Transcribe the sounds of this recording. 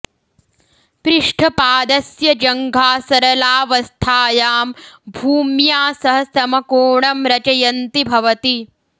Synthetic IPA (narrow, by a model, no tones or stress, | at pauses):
pɾɪʂʈʰɐpaːd̪ɐsjɐd͡ʒɐŋɡʱaːsɐɾɐlaːʋɐst̪ʰaːjaːmbʱuːmjaːsɐɦɐsɐmɐkoːɳɐmɾɐt͡ʃɐjɐnt̪ibʱɐʋɐt̪i